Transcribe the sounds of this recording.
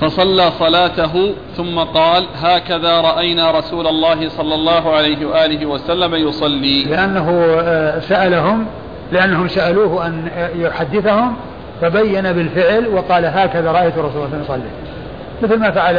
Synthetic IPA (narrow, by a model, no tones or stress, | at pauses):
fɑsˤɑlːaːsˤɑlaːt̪aɦʊθʊmːaqɑːlɦaːkaðaːɾˤɑʔajnaːɾˤɑsuːlalˤːɑːɦɪsˤɑlːɑlˤːɑːɦʊʕalajɦɪwaʔaːlɪɦɪwasalːamajʊsˤɑlːiːlɪʔanːaɦʊsaʔalaɦʊm | lɪʔanːaɦʊmsaʔaluːhʔanjʊħad̪ːɪθahʊm | fabajːanabɪlfɪʕlwɑqɑːlaɦaːkaðaɾˤɑʔajt̪ʊrˤːɑs̬ulːslmjsˤɑlːi | mɪθlmaːfaʕal